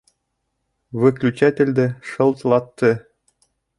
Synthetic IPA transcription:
vɘ̆klʲʉt͡ɕæt̪ʲɘ̆lʲd̪ɘʃɤ̆lˠt̪lˠɑt̪ːɤ

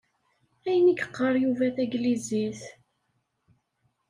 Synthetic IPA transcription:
æjniɡə̥qːəɾˤjuvæθæɡliziθ

